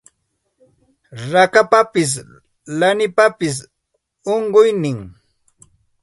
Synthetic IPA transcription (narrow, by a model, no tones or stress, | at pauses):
ɾakapapɪs̬ | lanɪpapɪs̬ | oɴɢʊjnɪŋ